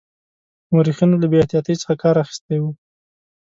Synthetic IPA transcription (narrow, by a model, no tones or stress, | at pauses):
moɾixinolabeet̪ijɑt̪əjt͡sə̥xakɑɾaxi̥st̪ewu